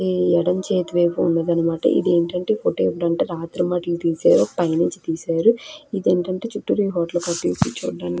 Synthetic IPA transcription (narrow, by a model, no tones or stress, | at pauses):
ɛɽɐɲt͡ʃeːt̪ʋeːpoṵnːɐːd̪ɐnɐmaːʈɐ̰ʔḭd̪eːɳʈɐɳʈe̞ːpoːʈoepuɽɐɳʈeːɾaːt̪ɾɐmaʈilut̪iːsaːɾopɐjniɲt͡ʃi̥t̪iːsaːɾuid̪eːɳʈɐɳʈe̞ːt͡ʃuʈːuɾiːɦɔːʈlɐkɐʈːiupit͡ʃṵːɖːaːn